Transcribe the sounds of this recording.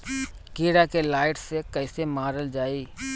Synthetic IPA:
kiːɽakelaːɪʈsekɐːsemaːɾəld͡ʒaːiː

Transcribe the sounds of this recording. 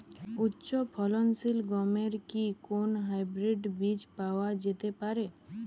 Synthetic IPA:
ʊtːʃɔpʰɔlɔnsilɡɔmeɾkikonɦajbɾeɖbid͡ʒpawad͡ʒet̪epaɾe

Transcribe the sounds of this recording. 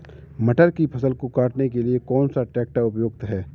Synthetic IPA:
mɐʈəɾkipʰɐsəlkokaːʈnekeliekɔːnsaʈɛːk̚ʈaʊpjoːɡ̚t̪ɦɛː

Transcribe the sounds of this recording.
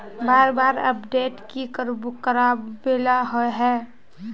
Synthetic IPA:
baːɾbaːɾə̰pɖeːʈkikəɾbukəɾabbelaɦoeɦɛː

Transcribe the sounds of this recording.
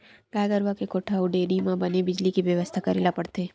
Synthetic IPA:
ɡaːjɡəɾʋakekoːʈʰauɖeɾimãbənebɪd͡ʒlikiʋjəʋəst̪ʰakəɾelapəɽt̪eː

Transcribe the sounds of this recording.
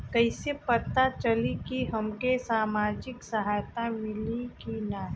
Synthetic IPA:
kɐisepɐt̪at͡ʃɐlikiɦɐmkesaːmaːd͡ʒɪksɐɦaːjt̪amɪlikinaɦ

